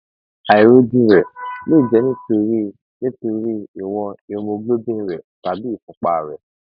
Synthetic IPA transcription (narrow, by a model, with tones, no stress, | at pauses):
a˨i˨ɾo˦dĩ˦ɾɛ˨lo˦i˨d͡ʒɛ˨˦nĩ˦to˧ɾi˦ | nĩ˦to˧ɾi˦i˨w̃ɔ̃˧e˧mo˧ɡlo˦bĩ˦˨ɾɛ˨ta˨bi˦i˦˨fũ˧˦k͡pa˨ɾɛ˨